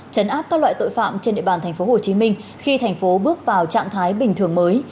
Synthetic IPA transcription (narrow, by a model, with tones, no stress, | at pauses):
t͡ɕə˨˦nʔaː˦˥p̚kaː˦˥lwa̰ː˧˨jt̪o̰˧˨jfa̰ː˧˨mt͡ɕe˧nɗḭ˧˨ɓaː˨˩nt̪ʰɛ˨˩ŋ̟fo˨˦ho˨˩t͡ɕi˨˦mï˧ŋ̟xi˧t̪ʰa˨˩jŋ̟fo˨˦ɓɨ˦˥ək̚vaː˨˩wt͡ɕa̰ː˧˨mt̪ʰaː˨˦jɓï˨˩ŋ̟t̪ʰɨ˨˩əŋməː˨˦j